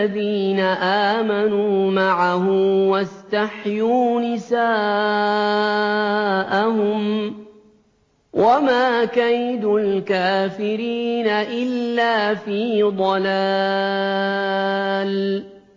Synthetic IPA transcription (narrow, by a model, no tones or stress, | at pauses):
aðiːnaʔaːmanuːmaʕahʊmwast̪aħjuːnɪsaː | ʔaɦʊm | wʔamaːkajd̪ulkaːfɪɾiːnaʔɪlːaːfiːd̪ˤɑla | l